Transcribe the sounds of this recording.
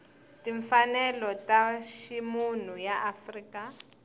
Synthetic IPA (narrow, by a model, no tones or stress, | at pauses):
tiɱfanɛlɔtaʃimunujaʔafriːka